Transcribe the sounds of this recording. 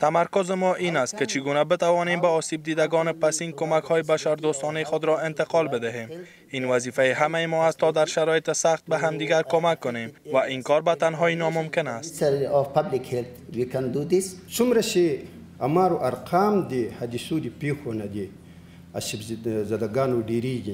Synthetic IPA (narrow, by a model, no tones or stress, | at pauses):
t̪amaɾkʊzɪmɔʔinast̪̚kɪt͡ʃʰɪɡunabɪt̪awɒnembaɔsib̚d̪id̪aɡɔnɪpasinkomakhɔjɪbaʃaɾd̪ost̪ɔnajxʊd̪ɾɔɪnt̪ɪqɒlbɪd̪ɪɦem | invazifajeɦamajɪmɔast̪ːɔd̪aɾʃaɾɔjɪt̪ɪsaxt̪̚baɦamd̪iɡaɾkomakːʊnemvaʔinkɔɾbat̪anɦɔjɪnɒmʊmkɪnast̪saɾɔfpablikhelt̪wikand̪ud̪issumɾaʃe | amaːɾoʔaɾqʰaːmd̪ehad̪isud̪ipeːxonad̪e | a̰ʃibzad̪aɡaːnoɖeɾiɡʲi